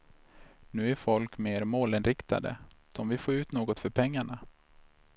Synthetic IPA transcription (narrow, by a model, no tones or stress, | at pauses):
nʉ̟ːæɾfɔlkmeːɾmoːlɪnɾɪkt̪a̰d̪ə̰d̪̥ɔmvɪfoːɾʉ̟ːt̪noːɡɔt̪fœɾpʰɛŋːaɳa